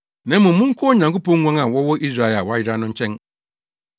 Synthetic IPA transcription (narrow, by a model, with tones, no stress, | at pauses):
nã˦mʊ̃˨m̩mʊ̃˦ŋ̩˦kʰɔ˦ɔ˦˨ɲã˨ŋko˦pɔ̃˦ŋ˦ŋʷã˦ŋã˨wɔ˦wɔ˦ʔi˦s̬ɾa˦˨e˨a˨wɔ˦a˦jɪ˨ɾa˦nʊ̃˦ɲ̩˦t͡ɕʰɛ̃˦n